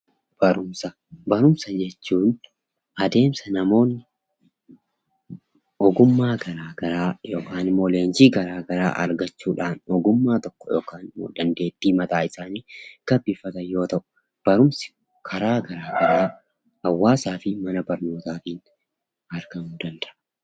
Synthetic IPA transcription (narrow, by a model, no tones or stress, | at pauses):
b̥ɐɾʊmsɐ | bɐɾʊmsɐd͡ʒɛt͡ʃːuːn | ɐd̪e̞ːmsɐnɐmo̞ːnːɪ | ɔɡʊmːaːɡɐɾaːɡɐɾaːjoːkaːnɪmːoːleːnd͡ʒiːɡɐɾaːɡɐɾa̰ːʔɐ̰ɾɡɐt͡ʃːuːᶑaːnɔɡʊmːaːt̪ɔkːɔ̥jo̰ːkaːnɪmːo̰ːd̪ɐnd̪e̞ːt̪ːiːmɐt̪ʼaːɪsaːniːɡ̥ɐbːɪfːɐt̪ɐjo̞ːt̪ɐʔʊ | b̥ɐɾʊmsɪ̥ | kʰɐɾaːɡɐɾaːɡɐɾaː | hɐwːaːsaːfɪmɐnɐbɐɾno̞ːt̪aːfɪn | ɐɾɡɐnuːd̪ɐnd̪ɐ̥ʔɐ